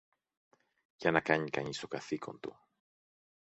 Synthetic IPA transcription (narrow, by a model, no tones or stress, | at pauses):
ʝɐnɐkaɲikɐɲist̪okaθikʰo̰nt̪ṵ